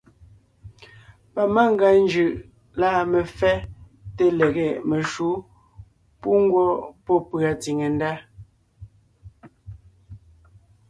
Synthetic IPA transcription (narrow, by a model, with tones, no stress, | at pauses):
pa˨ma˦ŋ˦ɡa˨˦n˦d͡ʒʉ˨ʔ | laː˦˨me˨fɛ˦ | te˦le˨ɣe˦˨me˨ʃu˨˦ | pu˦ŋ˦ɡwɔ˦pɔ˦˨pɰa˨ti˨ŋe˨n˦da˦